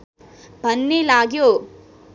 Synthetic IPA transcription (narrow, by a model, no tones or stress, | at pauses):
bʱɐnːilaːɡjo